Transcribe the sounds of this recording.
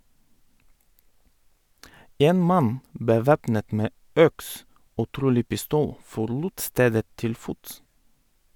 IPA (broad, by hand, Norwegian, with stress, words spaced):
ˈeːn ˈmɑn bəˈʋeːpnət ˈmeː ˈœks ˈoː ˈtɾuːlɪ pɪˈstuːl fɔɾˈluːt ˈsteːdə ˈtɪl ˈfʊts